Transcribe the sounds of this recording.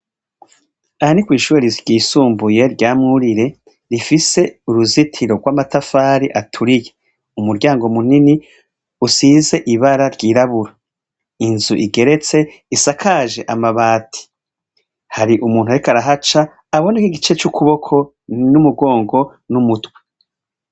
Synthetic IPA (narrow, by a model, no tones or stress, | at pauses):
ahanikwiːʃuːɾeɾiɾɟiːsuːmbuje̞ɾɟaːmŋuɾiɾe̞ | ɾifise̞uɾuzitʰiɾo̞ɡwamatafaːɾiʔatʰuɾije | umuɾɟaːŋɡo̞munini | usiːze̞ʔiβaɾaɾɟiːɾaβuɾa | inzuʔiɡe̞ɾe̞t͡se̞ | isakʰaːʒe̞ʔamaβaːtʰi̥ | haɾiʔumuːn̥uaɾikaɾaɦat͡ʃaː | βo̞nekiɡit͡ʃe̞t͡ʃukʰuβo̞kʰo̞ | numuɡo̞ːŋɡo̞ | numutwe̥